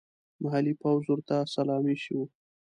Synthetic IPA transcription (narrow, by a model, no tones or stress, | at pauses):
maɦalipawzuɾt̪asalɑmiʃiwu